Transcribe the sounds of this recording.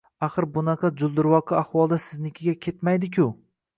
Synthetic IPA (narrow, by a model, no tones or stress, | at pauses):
aχɨɾbʊnɑqʰɑd͡ʒʊlˠd̪ɪɾwɒqʰɨaχwɒlˠd̪asɪznɪkʲʰɪɡʲakʲʰe̞t̪majd̪ɪk̬ʰʲʊ